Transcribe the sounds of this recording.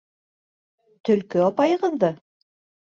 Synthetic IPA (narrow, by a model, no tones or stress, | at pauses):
t̪ɵ̆lkɵɑpɑjɤ̆ʁɤ̆ðɤ